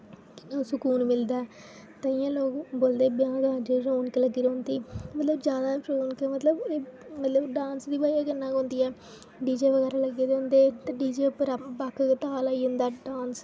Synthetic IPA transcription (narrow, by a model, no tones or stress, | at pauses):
kɪnãːsʊkuːnmɪld̪aːɛ | t̪aɪjãːloːkboːld̪eːbjãːɡaːd͡ʒeɾoːnkeləɡiːɾeʊnd̪iːmət̪ləbd͡ʒjaːd̪aːɾoːnkemət̪ləbeːmət̪ləbɖãːnsd̪iːbaːijaːɡənːãːkõːnd̪iːɛː | ɖiːd͡ʒeːʋəɡɛːɾaːləɡeːd̪eʊnd̪eːt̪eɖiːd͡ʒeːpəɾabakʰt̪aːlaːiːnd̪aːɖaːns